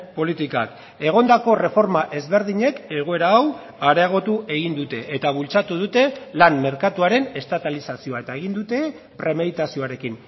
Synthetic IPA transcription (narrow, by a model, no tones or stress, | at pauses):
po̞lit̪ika̰k̪ | e̞ɣ̞o̞nd̪ako̞re̞fo̞ɾmaʔe̞zβe̞ɾð̞iɲe̞ke̞ɣ̞o̞e̞ɾaːw | aɾeaɣ̞o̞t̪uʔe̞ɣind̪ut̪e̞ʔːt̪aβ̞ult͡sat̪uð̞ut̪e̞lanme̞ɾkat̪uaɾe̞ne̞st̪at̪alisasio̞ae̞t̪ae̞ɣind̪ut̪e̞ | pɾe̞me̞ðit̪asio̞aɾe̞kin